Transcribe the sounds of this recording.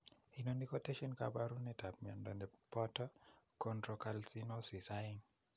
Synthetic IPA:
inonikɔtɛʃɔnka̰baɾunɛtapmiɔ̰ndɔnɛpɔtakɔndɾɔkalsinosisaiŋ

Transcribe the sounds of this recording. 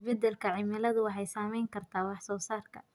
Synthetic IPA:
bɛd̪ɛlkʰɐʕɪmɪlɐðʊwɑħɑjsaːmɛjŋkʰɐrt̪ʰaːwɑħsɔːsaːrkʰɐ̰

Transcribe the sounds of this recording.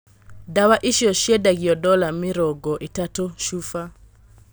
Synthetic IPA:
dawaʔiʃiɔʃjedaɡiɔdɔlamɪɾɔɡɔʔitatoʃufa

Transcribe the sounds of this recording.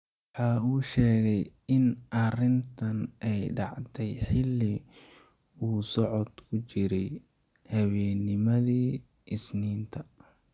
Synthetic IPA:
wɑħɑːuːʃɛːɣɛjɪnʔɐrɪnt̪ʰɐnʔɛjɖɑ̰ʕd̪ɛjħɪlːi | uːsɔʕɔd̪kʰʊt͡ʃɪɾɛj | hɐwɛːnːɪmɐðiː | ɪsniːnt̪ʰɐ

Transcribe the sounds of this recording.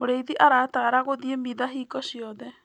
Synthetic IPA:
moɾeiðiʔaɾataɾaɣoðiemiðaɦiːkɔɕiɔðɛ

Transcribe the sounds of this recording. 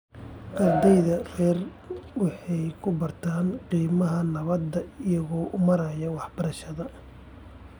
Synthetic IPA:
ɡɐrd̪ɛjðɐrɛːr | wɑħɑjkʰʊbɐrt̪ʰaːnqiːmɐɦɐnɐβɐd̪ːɐɪjɐɣɔːʔʊmɐɾɐjɐwɑħbɐɾɐʃɐðɐ

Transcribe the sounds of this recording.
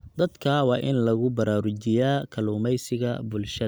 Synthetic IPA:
d̪ɐd̪kʰɐwɑːʔɪnlɐɣʊbɐɾaːɾʊt͡ʃɪjaːkʰɐluːmɛjsɪɣɐ̰bʊlʃɐɐ

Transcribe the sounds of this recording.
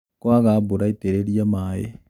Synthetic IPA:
kwaɣaːboɾaiteɾeɾiamaːjḛ

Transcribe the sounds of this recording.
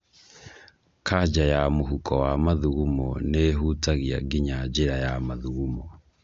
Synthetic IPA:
kʰaɟajamuɦukʰɔwamaðuɣumɔneɦutaɣia̰ɡiɲaɟeɾajamaðuɣumɔ

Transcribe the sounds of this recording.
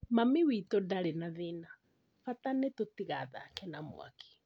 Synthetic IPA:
mamiwitodaɾenaðena | fatanetotiɣaða̰kɛnamw̰a̰ki̥

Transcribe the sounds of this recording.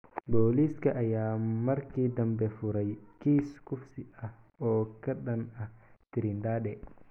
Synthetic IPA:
boːliskɐʔːjaːmɐɾkiːd̪ɐmbɛfuɾɐjkiːskufsiɐh | ɔːkɐɗɐnɐht̪iɾind̪aːɗɛ

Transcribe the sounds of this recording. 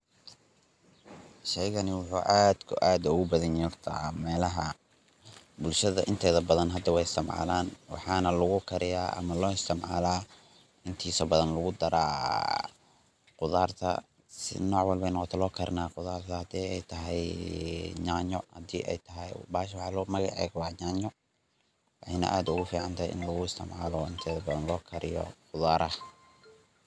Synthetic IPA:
ʃɛjɣɐnɪwʊħuːʔaːd̪kʰʊʔaːd̪ʊɣʊbɐðɐnɔrt̪ʰɐmɛːlɐɦɐ | bʊlʃɐðɐʔɪnt̪ʰɛːðɐbɐðɐnɦɐd̪ːɐwɛjɪst̪ʰɐmʕɑ̰ːlaːnwɑ̰ħɑːnɐlʊɣʊkʰɐɾɪjaːʔɐ̰mɐlɔːɪst̪ʰɪmʕa̰laː | ʔɪnt̪ʰiːsɐbɐðɐnlʊɣʊd̪ɐɾaː | qʊðaːrt̪ʰɐ̰ | sɪ̰nɔːʕwɐlbɛjnɑqɔt̪ʰɛlɔːkʰɐɾnaːqʊðaːrt̪ʰɐhɐd̪iːɛjt̪ʰɐɦɛj | ɲaːɲɔhɐd̪ḭːʔɛ̰jt̪ʰɐɦɛjbaːʃwɑħɑːlɔːmɐɣɑʕɛ̰ːɡwɑːɲaːɲɔ | wɑħɑjnɐ̰ʔaːd̪ʊɣʊfiːʕɑnt̪ʰaːjɪ̰nlɐɣʊɪst̪ʰɪmʕaːlɔɪnt̪ʰɛːðɐbɐðɐnlɔːkʰɐɾɪjɔ̰qʊðaːɾʔɐh

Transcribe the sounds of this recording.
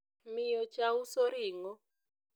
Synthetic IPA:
mijɔt͡ʃausoɾiŋɔ

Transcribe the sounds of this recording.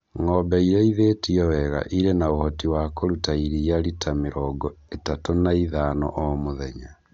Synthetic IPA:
ŋɔbɛiɾɛiðetiɔwɛɣa̰ʔiɾenaohɔtiwakoɾutaiɾiaɾitʰameɾɔɡɔetatonaiðaːnɔ̰ʔɔmoðɛɲa

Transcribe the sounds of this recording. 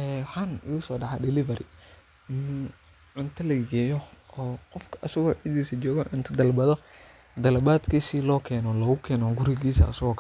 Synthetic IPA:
ɛːħɐnɪɣʊsɔːɖɑʕadɪlɪvɐɾɪ | ʕʊnt̪ʰɐlɐɡɛːjɔɔːqɔfkʰɐ̥ʔɐsɐɣɔːʕɪd̪iːsɐt͡ʃɔːɣɔʕʊnt̪ʰɐd̪ɐlbɐðɔ | d̪ɐlɐbaːd̪kʰiːsiːlɔːkʰɛːnɔlɐɣʊkʰɛːnɔɡʊɾɪɣiːsɐ̰ɐ̰sɐɣɔːkʰ

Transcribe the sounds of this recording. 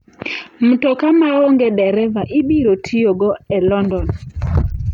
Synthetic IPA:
m̩tɔkamaoŋɡɛɗɛɾɛvaʔibiɾotʰijoɡɔɛlɔndɔn

